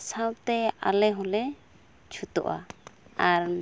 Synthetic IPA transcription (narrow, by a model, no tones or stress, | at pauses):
sãwt̪ɛa̰lɛɦũlɛ | t͡ʃʰut̪ɔʔa̰aɾ